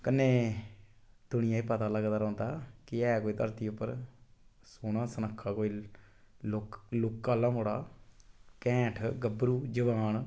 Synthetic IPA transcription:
kənːeː | d̪ʊɳɪjãːipət̪aːləɡd̪aːɾɔ̃ːnd̪aːkɪɛːkoːiːt̪əɾt̪iːʊpːəɾ | soːnãːsənəkʰːaːkoːi | lklʊkːaːlãːmoːɽaː | kɛ̃ːʈʰɡəbɾuːd͡ʒəʋaːɳ

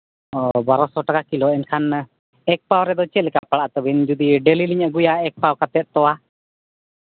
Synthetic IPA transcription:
ɔbaɾɔsɔʈakakilɔɛnkʰan | ɛk̚pawɾɛd̪ɔt͡ʃɛlɛkapaɽaʔt̪əbind͡ʒud̪iɖeliliɲəɡujaɛk̚pawkat̪ɛt̪̚t̪ɔwa

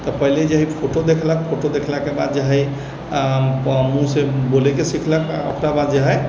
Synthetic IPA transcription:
t̪ɔpəɦiled͡ʒəɦipʰoʈod̪ekʰlək̚pʰoʈod̪ekʰlakebad̪d͡ʒəɦɛ | musebolekesikʰləka̰o̰kɾabad̪d͡ʒəɦɛ

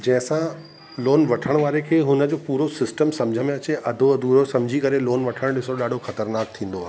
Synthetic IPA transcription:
d͡ʑɐ̃ɦɪ̃sã | loːnʋɐʈʰəɽ̃ʋaːɾekʰeːɦʊnə̆d͡ʑoːpuːɾosɪsʈəmsɐ̃md͡ʑʱəmẽɐt͡ɕeʔɐd̪ʱoɐd̪ʱuɾosɐ̃md͡ʑʱikɐɾeloːnʋɐʈʰəɽ̃ɗɪsoɗaːɖʱoxɐt̪əɾnaːk̚t̪ʰĩːn̆d̪oaːɦe

